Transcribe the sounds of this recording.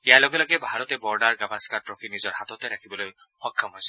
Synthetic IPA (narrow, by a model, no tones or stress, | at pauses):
ɛajlɔɡɛlɔɡɛbʱaɹɔt̪ɛbɔɹdaɹɡabaskaɹtɹɔpʰinizɔɹhat̪ɔt̪ɛɾakʰibɔloj | xɔkʰːɔmɦɔjsɔ̥